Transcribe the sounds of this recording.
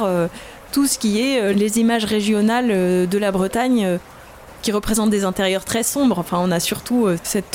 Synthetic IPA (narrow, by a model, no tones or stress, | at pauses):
ø | t̪usə̥kʲiɛølezimaʒʁeʒjɔnalød̪əlabʁət̪aɲø | kʲiʁəpχezɑ̃t̪̚d̪ezɛ̃t̪eʁjœʁt̪χɛsɔ̃bʁɑ̃fɛ̃ɔ̃nasyʁt̪uøsɛt̪